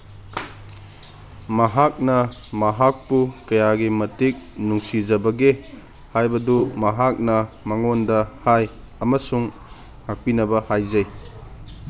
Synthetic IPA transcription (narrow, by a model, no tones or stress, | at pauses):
mɐɦak̚nɐmɐɦak̚pukɐjaɡimɐtik̚nuŋsizɐbɐɡe | hajbɐdumɐɦak̚nɐmɐŋondɐhaj | ɐmɐsuŋ | hak̚pinɐbɐhajzɐj